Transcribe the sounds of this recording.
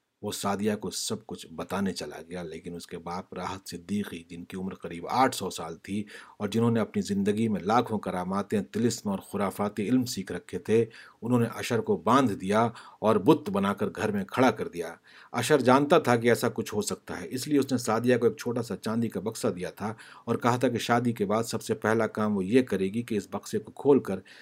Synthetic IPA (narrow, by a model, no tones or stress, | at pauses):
ʋoːsaːd̪ijakosɐb̚kʊt͡ʃʰbɐt̪aːnet͡ʃɐla̰ɡɐjaleːkɪnʊskebaːpɾaːɦət̪sɪd̪ːiːqid͡ʒɪnkiʊmɾqɐɾiːba̰ːʈʰsɔːsaːlt̪ʰiɔːɾd͡ʒɪnɦõːneɐpnizɪ̃nd̪əɡimẽlaːkʰõkɐɾaːmaːt̪ẽt̪ɪlɪsmɔːɾxʊɾaːfaːt̪iɪlmsiːkʰɾɐkʰːet̪ʰeʊnɦõːneʔɐʃəɾkobãːnd̪d̪ijaɔːɾbʊt̪ːbɐnaːkəɾɡʱɐɾmẽkʰɐɽakɐɾd̪ijaː | ɐ̰ʃəɾd͡ʒãːnt̪at̪ʰak̬iɛːsakʊt͡ʃʰɦosɐk̚t̪a̰ɦɛːʔɪslieʊsnesaːd̪ijakoeːk̚t͡ʃʰoːʈasat͡ʃãːnd̪ikabɐqsad̪ijat̪ʰaɔːɾkɐɦat̪ʰakiʃaːd̪ikebaːd̪sɐbsepɛɦlakaːmʋojekɐɾeːɡikeɪsbɐqsekokʰoːlkəɾ